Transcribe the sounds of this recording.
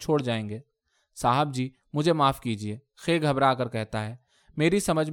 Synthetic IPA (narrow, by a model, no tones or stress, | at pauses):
t͡ʃʰoːɽd͡ʒaːẽːŋɡeː | saːɦəb̚d͡ʒiː | mʊd͡ʒʱemaːfkiːd͡ʒieː | xeːɡʱɐbɾaːkəɾkɛɦt̪aɦɛː | meːɾisɐməd͡ʒʱ